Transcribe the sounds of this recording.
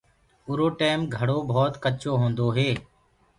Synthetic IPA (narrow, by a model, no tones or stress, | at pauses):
ʊɾoːʈeːmɡʱəɽoːbʱɔːt̪kət͡ʃoːɦõːnd̪oːɦeː